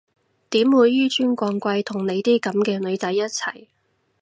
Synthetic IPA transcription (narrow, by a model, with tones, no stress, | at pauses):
t̪iː˨˥mwuː˨˧jyː˥t͡ʃyː˥nkʷɔː˧ŋkʷɐ˧jt̪ʰʊ˨˩ŋne˨˧jt̪iː˥kɐ˨˥mkɛː˧lɵ˨˧ɥt͡sɐ˨˥jːɐ˥t̚t͡sʰɐ˨˩j